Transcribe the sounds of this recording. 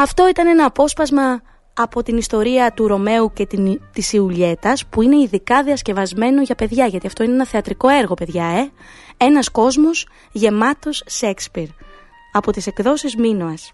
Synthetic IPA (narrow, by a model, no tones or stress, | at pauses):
ɐft̪o̞it̪ɐne̞nɐːpo̞spɐzmɐː | po̞t̪inist̪o̞ɾiɐt̪uɾo̞me̞uce̞t̪it̪isiuʎe̞t̪ɐspuine̞iðikɐðiɐsce̞vɐzme̞no̞ʝɐpe̞ðʝɐʝɐt̪iɐft̪o̞ineenɐθeɐt̪ɾiko̞e̞ɾɣo̞pe̞ðʝɐe | e̞nɐsko̞zmos | ʝe̞mɐt̪o̞sːekspiɾ | ɐpo̞t̪ise̞kðo̞sizminoɐs